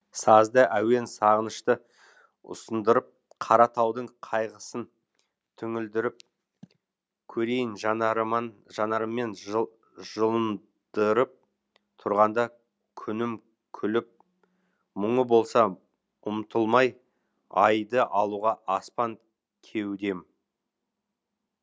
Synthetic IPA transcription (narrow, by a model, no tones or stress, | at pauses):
sɑzd̪əʔæwe̞nsɑʁənəʃt̪ə | ʊ̰sənd̪əɾəp̚ | qʰɑɾɑt̪ɑwd̪əɴqʰɑjʁəsən | t̪ʰʏŋɪld̪ɪɾɪp̚ | kʲʰɵɾe̞jɪnʒ | ʒɑnɑɾəmːe̞n | ʒ̥əlˠən | d̪̥əɾəp̚ | t̪ʰʊɾʁɑnd̪ɑ | kʲʰʏnɪm | kʲʰʏlɪp̚ | mʊɴəbo̞lˠsɑ | ʊmt̪ʰəlˠmɑj | ɑjd̪əʔɑlˠuʁɑʔɑspɑŋ | kʲʰe̞wd̪e̞m